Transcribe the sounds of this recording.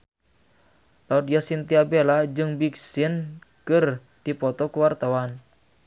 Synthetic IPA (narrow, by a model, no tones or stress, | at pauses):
laudiasint̪iabelad͡ʒɨŋbiksɪnkɨr | d̥ipɔt̪ɔkəwart̪awan